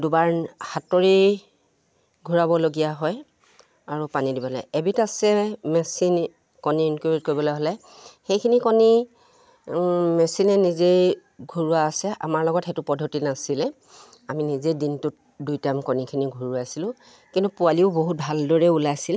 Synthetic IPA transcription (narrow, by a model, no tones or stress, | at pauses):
dubaɹhatɔɹi | ɡʱuɹabɔloɡijaɦɔj | aɹupanidibɔlɛ̰jebitasɛmɛsin | kɔniːnkuɹit̚koɹibɔloɦɔlɛj | xejkʰinikɔni | mɛsinɛnizej | ɡʱuɹuwaːsɛʔa̰maɹlɔɡɔtɛtʊpɔdʱotinasilɛ | aminizedintʊt̚dujtamkɔnikʰiniɡʱuɹuasilʊ̃ | kintupualiʊboɦut̚bʱaldɔɹɛulajsil